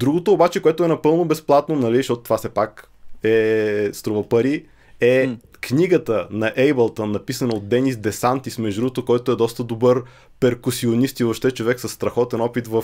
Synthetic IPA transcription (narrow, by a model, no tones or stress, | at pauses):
d̪ɾuɡot̪oːbat͡ʃɛkoɛt̪ʊɛnɐpɤlˠnobɛsplˠat̪nonɐliʃt̪ɔt̪ot̪ovasɛpak | ɛst̪ɾovəpɐɾi | ɛ | kniɡət̪ənɐʔɛjbəlˠt̪ənɐpisənəot̪̚d̪ɛnisd̪ɛsant̪ismɛʒd̪ɾuot̪okɔjt̪oɛd̪ɔst̪əd̪obɤɾ | pɛɾkʊsionist̪ioʃt̪ɛt͡ʃovɛksəɐsːt̪ɾɐxɔt̪ɛnɔpit̪vɐ